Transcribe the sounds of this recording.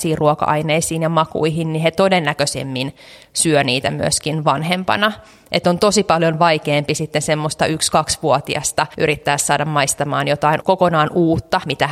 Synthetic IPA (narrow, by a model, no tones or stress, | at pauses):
siːruokɑ̰ʔɑineisiːnjɑmɑkṵiɦinnihet̪odenːækøsḛmːin | syøniːt̪æmyø̰skinʋɑnhempɑ̰nɑ | ʔḛt̪ːˑont̪osipɑljonʋɑikeːmpisit̪ːensemːost̪ɑykskɑksʋuot̪iɑ̰st̪ɑʔyɾit̪ːæːssɑːdɑmmɑist̪ɑmɑːnjot̪ɑinkokonɑːnʔuːt̪ːɑmit̪æ